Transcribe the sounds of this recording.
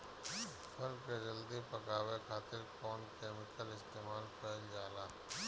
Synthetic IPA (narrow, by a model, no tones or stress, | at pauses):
pʰɐɾked͡ʒɐld̪ipɐkaːwekʰaːt̪ɪɾkɔːnkeːmɪkəlɪst̪eːmaːlpɛːld͡ʒaːlaː